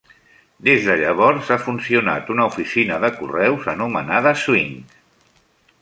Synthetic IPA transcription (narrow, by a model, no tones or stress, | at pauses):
d̪ezðəʎəβ̞ɔɾzafunsiuna̰t̪unəufisinəðəkurɛwzənumə̰naðəswiŋk